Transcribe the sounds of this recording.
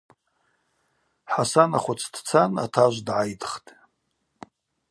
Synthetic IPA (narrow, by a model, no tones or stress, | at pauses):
ħasanaχʷʊt͡sʰd̥t͡sʰana̰tʰaʒʷdʕajdχtʼ